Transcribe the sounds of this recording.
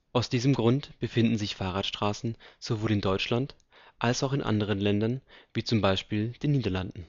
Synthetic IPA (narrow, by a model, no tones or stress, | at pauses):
ʔaʊsd̥iːzəmɡʁʊntb̥əfɪndn̩zɪçfaːʁaːtʃtʁ̥aːsn̩z̥ovoːlɪndɔʏt͡ʃlant | ʔalsaʊxɪnʔa̰ndəʁ̞ənlɛndɐnviːt͡sʊmbaɪʃpiːld̥eːnːiːdɐlandn̩